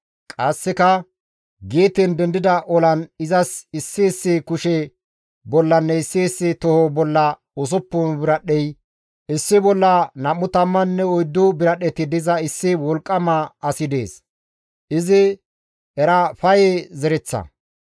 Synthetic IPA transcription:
kʼɐsːɪkɐ | ɡeːt̪ɛnd̪ɛnd̪ɪd̪ɐʔɔlɐnɪzɐsɪsːeːsːekʊʃɛ | bɔlːɐnːɛɪsːeːsːet̪ɔhobɔlːɐ | ɔs̬ɔpːɔnbɪɾɐɗɛj | ɪsːɪbɔlːɐnɐmːʊt̪ɐmːɐnːɛɔjd̪ːʊbɪɾɐɗɛt̪ɪd̪ɪzɐɪsːɪwɔlkʼːɐmɐɐsɪd̪e̞ːs | ʔɪzɪ | ɛɾɐfɐjɛzɛɾɛt͡sːɐ̰

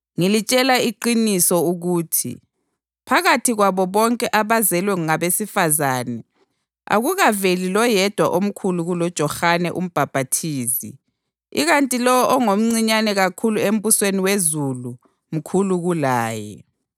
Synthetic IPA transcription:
ŋilit͡ʃʼɛlaiǃinisɔuɣuːtʰḭ | pʰaɣatʰiɣwaβɔβɔŋkʼɛʔaβazɛlwɛŋuŋaβesifazaːnɛ | a̰ɣuɣavelilɔjɛd̥ʱwaʔom̩kʰuluɣulɔd̥ʒ̥ʱɔxanɛ̰ʔum̩b̥ʱab̥ʱatʰiːzḭ | iɣantʼilɔwɔʔɔŋom̩ŋ͡ǀiɲanɛɣakʰuluem̩busweniwezulu | m̩kʰuluɣulaːjɛ̰

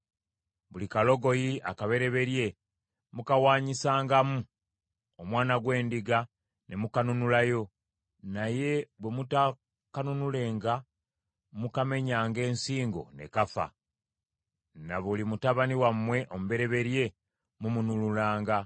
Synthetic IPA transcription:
βulikalo̞ɡo̞jiakaβe̞ɾe̞βe̞ɾje̞ | mukawaːɲisaːŋɡamu | omwaːnaɡwe̞ːndiɡa | nʔe̞mukanunulajo̞ | naje̞βwe̞muta | kanunule̞ːŋɡa | mukame̞ɲaːŋɡe̞ːnsiːŋɡo̞̰ne̞̰kafa̰ | naβulimutaβaniwamːwe̞ʔo̞muβe̞ɾe̞βe̞ɾje̞ | mumunululaːŋɡa

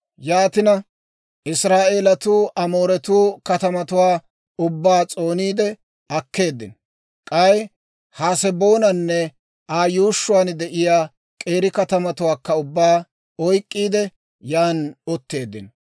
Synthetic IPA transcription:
jaːt̪ɪnɐ | ʔɪsɾaːʔeːlɐt̪uːʔɐmo̞ːɾɛt̪uːkɐt̪ɐmɐt̪ʊwaː | ʊbːaːt͡sʼo̞ːniːd̪ɛ | ɐkːe̞ːd̪ːɪ̰n | kʼɐj | haːsɛbo̞ːnɐnːɛ | aːjuːʃːʊwaːnd̪ɛʔɪjaː | kʼe̞ːɾɪkɐt̪ɐmɐt̪ʊwaːkːɐʊbːaː | ɔjkʼːiːd̪ɛ | jaːnɔt̪ːe̞ːd̪ːɪn

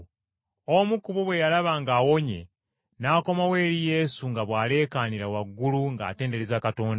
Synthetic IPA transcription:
omukuβoβwe̞jalaβaŋɡaːwo̞ɲe̞̰ | naːko̞mawe̞ːɾije̞suŋɡaβwaːle̞ːkaːniɾawaɡːuluŋɡa̰ːte̞ːnde̞ɾezakato̞ːnda

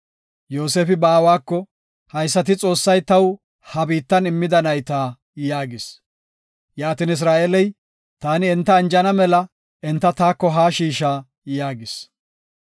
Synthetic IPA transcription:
jo̞ːseːfɪbaːwaːkːɔ | hɐjsːɐt̪ɪt͡sʼo̞ːsːɐjt̪ɐw | hɐbiːt̪ːɐnɪmːɪd̪ɐnɐjt̪aː | jaːɡɪs | jaːt̪ɪnɪs̬ɾaːʔeːlɛj | t̪aːnɪɛnt̪ːɐːnd͡ʒɐnɐmɛlɐ | ʔɛnt̪ːɐt̪aːkːɔɦaːʃiːʃaː | jaːɡɪs

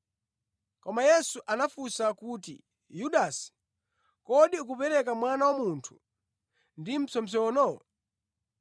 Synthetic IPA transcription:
kɔmajɛsuʔanafusakutḭ | juɗasi̥ | kɔɗiuk̬upɛɾɛk̬amwanawamuntʰu̥ | ndim̩sɔmsɔnɔ

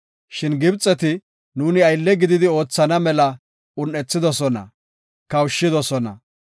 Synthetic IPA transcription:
ʃɪnɡɪbt͡sʼːɛt̪ɪ | nuːnɪɐjlːɛɡɪd̪ɪd̪ɪo̞ːt͡sːɐnɐmɛlɐ | ʊnːɛt͡sːɪd̪ɔsɔnɐ̰ | kɐwʃːɪd̪ɔsɔnɐ̰

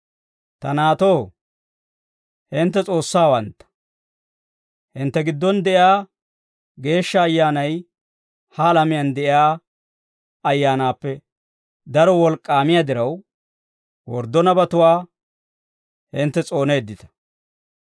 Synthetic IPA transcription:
t̪ɐnaːt̪o̞ː | hɪnt̪ːɛt͡sʼo̞ːsːaːwɐnt̪ːɐ̥ | hɪnt̪ːɛɡɪd̪ːɔnd̪ɛʔɪaː | ɡe̞ːʃːɐːjːaːnɐj | hɐːlɐmɪjand̪ɛʔɪaː | ɐjːaːnaːpːɛ | d̪ɐɾɔwɔlkʼːaːmɪjad̪ɪɾɐw | wɔ̰ɾd̪ːɔnɐbɐt̪ʊwaː | hɪnt̪ːɛt͡sʼo̞ːne̞ːd̪ːɪt̪ɐ̥

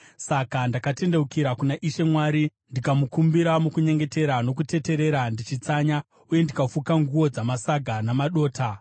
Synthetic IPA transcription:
sakandakate̞nde̞ukiɾakunaʔiʃe̞mwaːɾindikamukumbiɾamukuɲe̞ŋɡe̞te̞ɾano̞kute̞te̞ɾe̞ɾandit͡ʃit͡saɲa | uje̞ndikafukaŋɡuwo̞d͡zamasaɡʱanamaɗo̞ːtʰa

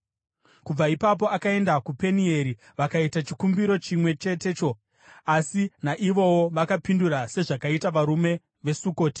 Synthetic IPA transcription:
kub͡vaipap̬o̞akae̞ndakupe̞nie̞ɾi | ʋakaitat͡ʃikumbiɾo̞t͡ʃimwe̞t͡ʃe̞te̞ːt͡ʃo̞ | asinaʔiʋo̞woʋakapinduɾase̞ʐakaitaʋaɾume̞ | ʋe̞suko̞ːti̥

